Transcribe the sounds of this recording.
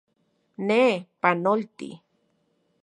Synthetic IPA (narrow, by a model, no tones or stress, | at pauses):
nepanolt̪ḭ